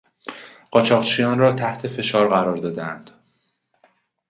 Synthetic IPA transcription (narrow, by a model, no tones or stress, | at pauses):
ɢ̥ɒːt͡ʃʰɒːʁt͡ʃʰijɒːnrɒːt̪ʰæht̪ʰe̞fe̞ʃɒːɾɢæɾɒːɾd̪ɒːd̪eænd̪̥